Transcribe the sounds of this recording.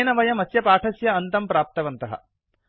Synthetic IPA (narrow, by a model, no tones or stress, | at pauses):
jnɐʋɐjɐmɐsjɐpaːʈʰɐsjɐɐnt̪ɐmpɾaːp̚t̪ɐʋɐnt̪ɐɦɐ̰